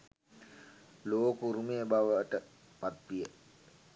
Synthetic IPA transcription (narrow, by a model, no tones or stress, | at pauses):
loːkuɾumejəbaʋəʈə | pat̪ʋijə